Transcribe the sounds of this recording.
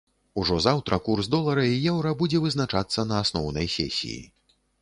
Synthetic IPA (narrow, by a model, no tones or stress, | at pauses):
uʐɔzawt̪ɾɐkursd̪ɔlˠɐɾɐijɛwɾɐbud͡zʲɛvɨznat͡ʂat̪sːɐnɐːsnɔwnɐ̰jsʲɛ̰sʲḭjḭ